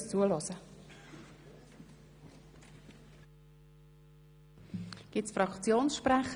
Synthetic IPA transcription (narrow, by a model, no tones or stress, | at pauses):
st͡suəlɔsə | ɡ̥ɪtsfɾɑkt͡sjoːnsʃprɛχ